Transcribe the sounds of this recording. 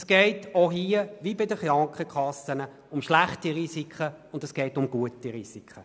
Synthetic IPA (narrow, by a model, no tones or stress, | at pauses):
sɡ̥ɛɪtoɦiːəʋibɪdəχrɑŋkχəkʰχɑsənə | ʊmʃlæχtiʁiːsikʰχəʊndɛsɡ̥ɛɪtʊmɡuətiʁiːsikχə